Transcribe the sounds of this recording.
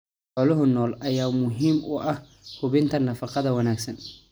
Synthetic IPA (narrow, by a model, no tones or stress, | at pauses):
ħɔːlɔɦʊnɔːlʔɐjaːmʊɦiːmʊʔɐh | hʊβɪnt̪ʰɐnɐfɑqɑðɐwɐnaːɡsɐn